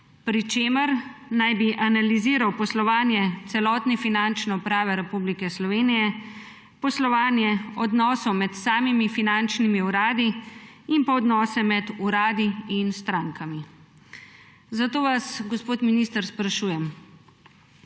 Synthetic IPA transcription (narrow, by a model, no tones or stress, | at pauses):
pɾit͡ʃeːməɾnajbiʔanaliziːɾawpɔslɔʋaːnjɛt̪sɛlɔːt̪nɛfinant͡ʃnɛɔpɾaːʋɛɾɛpublikɛslɔʋeːnijɛ | pɔslɔʋaːnjɛɔd̪nɔːsɔmɛt̪saːmimifinant͡ʃnimiuɾaːd̪i | impɔːd̪nɔːsɛmɛd̪uɾaːd̪iinst̪ɾaːŋkʰami | zat̪oːʋasɡɔspoːt̪minist̪əɾspɾaʃuːjɛm